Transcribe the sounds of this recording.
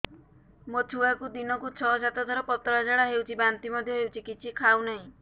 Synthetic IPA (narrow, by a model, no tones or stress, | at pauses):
mot͡ʃʰuakud̪inɔkut͡ʃʰɔd͡ʒat̪ɔd̪ʱaɾɔpɔt̪ɔɾad͡ʒaɽaɦewt͡ʃʰibant̪imɔd̪ʱjɔɦewt͡ʃʰikit͡ʃʰikʰawnaɦĩ